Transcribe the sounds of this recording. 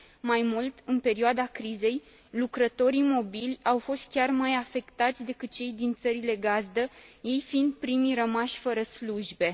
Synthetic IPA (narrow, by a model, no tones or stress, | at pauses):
majmult̪ɨnpe̞ɾioad̪akɾize̞j | lukɾət̪o̞ɾimo̞bilʲawfo̞st̪̚kʲarmajafe̞kt̪at̪sʲd̪e̞kɨt̪̚t͡ʃe̞jd̪int̪səɾile̞ɡazd̪əje̞jfind̪̚pɾimiɾəmaʃʲfəɾəsluʒbe̞